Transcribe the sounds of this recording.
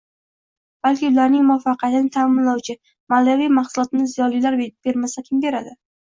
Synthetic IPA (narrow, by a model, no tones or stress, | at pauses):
b̥alkʲɪʊlaɾnɪŋmʊafɑqʰɑjt̪ɪnɪt̪ʰaːmɪnlawt͡ʃʰɪ | malavijmaχsʊlˠɒt̪ɪnɪzijɒnlilaɾb̥e̞ɾmasakʲʰɪmbe̞ɾad̪ɪ